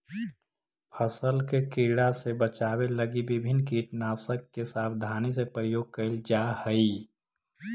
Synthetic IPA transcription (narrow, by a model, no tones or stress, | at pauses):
pʰəsəlkekiɽasebət͡ʃaːweləɡibɪbʱɪnkiːʈnaːsəkːesaːbd̪ʱaːnisepɾəjoːɡ̚kəɪld͡ʒahəi